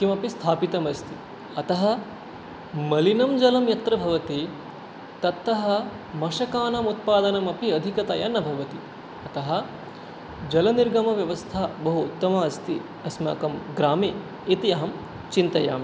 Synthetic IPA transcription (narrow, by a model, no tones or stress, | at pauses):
kimɐpist̪ʰaːpit̪ɐmɐst̪ʰi | ɐt̪ɐɦɐ̆ | mɐlinɐmd͡ʒɐlɐmjɐt̪ɾɐbʱɐʋɐt̪i | t̪ɐt̪ːɐɦɐ | mɐʃɐkaːnaːmut̪̚paːd̪ɐnɐmɐpiɐd̪ʱikɐt̪ɐ̰janːɐbʱɐʋɐt̪i | ɐt̪ɐɦɐ̆ | d͡ʒɐlɐniɾɡɐmɐʋjɐʋɐst̪ʰabɐɦuːt̪ːɐmɐɐst̪ʰi | ɐsma̰ːkɐmɡɾaːmeː | it̪iɐɦɐm | t͡ʃint̪ɐja̰ːmi